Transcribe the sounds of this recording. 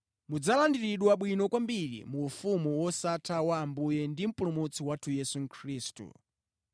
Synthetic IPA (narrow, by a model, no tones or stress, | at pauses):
mud͡zalandiɾiɗwaɓwinɔkwambiɾḭmuːfumuwɔsatʰawaːmbujɛndim̩pulumut͡sʰiwatʰujɛsuŋ̩kʰɾiːstṵ